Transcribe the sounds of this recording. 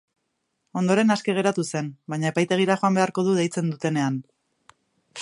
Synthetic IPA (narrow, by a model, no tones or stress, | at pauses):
o̞nd̪o̞ɾe̞naske̞ɣ̞e̞ɾat̪use̞nbajɲae̞pajt̪e̞ɣ̞iɾaχo̞ambe̞aɾko̞ðuðe̞jt͡se̞nd̪ut̪e̞ne̞an